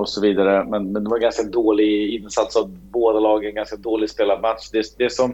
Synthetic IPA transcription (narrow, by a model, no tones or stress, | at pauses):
ɔsɔviːd̪aɾəmɛnmɛnd̪ɛvaɾɡanskaɛnd̪oːlɪɡɪnsat̪savboːd̪alɑːɡɛnɡanskand̪oːlɪɡspeːlad̪mat̪ʂd̪ɛd̪ɛʂɔm